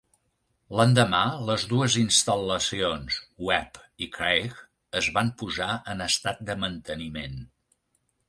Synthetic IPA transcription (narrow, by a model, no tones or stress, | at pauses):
lənd̪əmaləzðuəzinst̪ələsionswɛpikɾejɣ | əzβampuzaʔənəst̪at̪̚d̪əmənt̪ənimen